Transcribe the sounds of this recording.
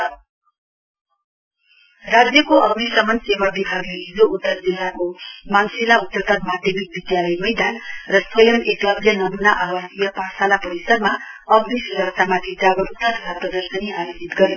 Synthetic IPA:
rad͡zjʌkoʔʌɡnisʌmʌnsewabibʱaɡleɦid͡zout̪ːʌrd͡zelakomansilaut̪ːʌt̪ʌd̪mad̪ʱjemik̚bid̪jalʌjmʌjd̪anrʌswʌjʌmeklʌbljenʌmunaʔawasijʌpasalapʌɾisʌd̪ma | ʌɡnisuɾʌksamat̪ʰid͡zaɡʌɾut̪nʌt̪ʌt̪ʰaprʌd̪ʌrsʌniajod͡zit̪ɡʌɾi

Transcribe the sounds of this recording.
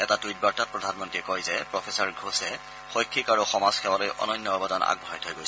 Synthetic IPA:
ɛtatujt̚baɹtat̚pɹɔdʱanmɔntiɛkɔjzɛpɹɔpʰesaɹɡʱɹosɛ | xɔjkʰːikaɹuxɔmaz̥kʰɛwalojʔɔ̰nɔjnːɔbadɔna̰ɡ̚bʱɔɦajtʰɔjɡojs

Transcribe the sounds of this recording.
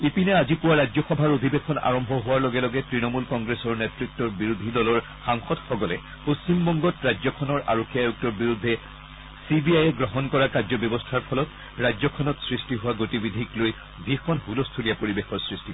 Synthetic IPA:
ipinɛazipʊwaɹazɔxɔbʱaɹod̪ʱibekʰɔna̰ɹɔmbʱɔɦʊwaɹlɔɡɛlɔɡɛtɹinɔmulkɔŋɡɹesɔɹnɛtɹik̚tɔɹbiɹud̪ʱilɔlɔɹ | xaŋxɔtxɔɡɔlɛ | post͡ɕimbɔŋɡɔtɹazɔkʰɔnɔɹa̰ɹokʰːiajuk̚tɔɹbiɹud̪ʱːɛ | sibiajɛɡɹɔɦɔnkɔɹakazɔbjɔbɔstʰaɹpʰɔlɔt | ɹajzɔkʰɔnɔtsɹistiɦʊwaɡotibid̪ʱikloj | bʱixɔnɦulɔstʰulijapoɹibexɔɹsɹisti

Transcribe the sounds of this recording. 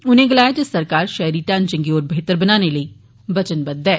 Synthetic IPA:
ʊnẽːɡəlaːjat̪əsəɾkaːɾʃɛjɾiːʈãːnt͡ʃɪ̃ŋɡioːɾbʱeːt̪əɾbənaːneləi | bət͡ʃənbəd̪ɛː

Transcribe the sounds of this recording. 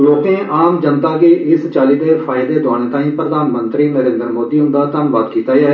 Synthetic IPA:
loːkẽːʔaːmd͡ʒənt̪aːkiːʔɪst͡ʃaːliːd̪eːpʰaːɪd̪eːd̪ʊaːɽ̃eːt̪ãːĩːpɾəd̪aːnmənt̪ɾiːnəɾẽːnd̪əɾmoːd̪iːɦʊ̃nd̪aːt̪anʋaːd̪kiːt̪aːeaːɦɛ

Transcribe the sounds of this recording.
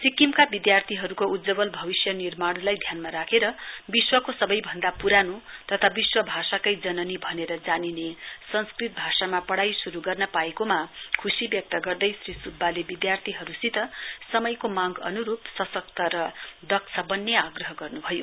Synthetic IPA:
sikimkabid̪jart̪ʰiɦʌɾukoud̪d͡zʌbʌlbʱʌbisjʌnirmaɽlajd̪ʱjanmaɾakʰeɾʌbiswʌkosʌbʌjbʱʌnd̪apuɾanut̪ʌt̪ʰabiswʌbʱasakʌjd͡zʌnʌnibʱʌneɾʌd͡zaninesʌnskrit̪̚bʱasamapʌɽajsuɾuɡʌrnʌpaekomakʰusibjʌk̚t̪ʌɡʌrd̪ʌjsrisud̪̚balebid̪jart̪ʰiɦʌɾusit̪ʌsʌmʌjkomãɡʌ̰nuɾupsʌsʌkt̪ʌɾʌd̪ʌksʰʌbʌnːeaɡrʌɦʌɡʌrnubʱʌjo

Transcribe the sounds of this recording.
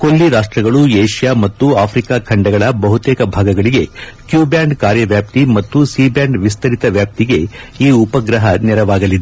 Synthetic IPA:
kolːiɾaːʂʈɾɐɡɐɭueːʂijaːmɐt̪ːuaːpʰɾikaːkʰɐɳɖɐɡɐɭɐbɐɦut̪eːkɐbʱaːɡɐɡɐɭiɡe̞kjuːbjaːɳɖkaːɾjɐʋjaːp̚t̪imɐt̪ːusiːbjaːɳɖʋist̪ɐɾit̪ɐʋjaːp̚t̪iɡe̞ | iːupɐɡɾɐɦɐnɛɾɐʋaːɡɐlid̪e

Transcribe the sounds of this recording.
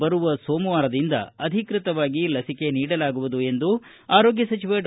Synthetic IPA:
bɐɾuʋɐsoːmuʋaːɾɐd̪ind̪ɐ̰ɐd̪ʱikɾit̪ɐʋaːɡilɐsike̞niːɽɐlaːɡuʋud̪ue̞nd̪u | aːɾo̞ːɡjɐsɐt͡ʃiʋeːʈ

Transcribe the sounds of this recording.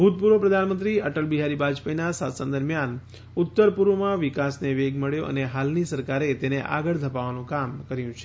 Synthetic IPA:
bʱut̪̚puɾʋəpɾəd̪ʱanmənt̪ɾiəʈəlbiɦaɾibad͡ʒpəjnasat̪sənd̪əɾmjan | ʊt̪ːəɾpuɾʋəmãʋɪkasneʋeɡməɭjoʔə̰neɦalnisəɾkaɾet̪eneʔa̰ɡəɭd̪ʱəpaʋanũkamkəɾjũt͡ʃʰe̥

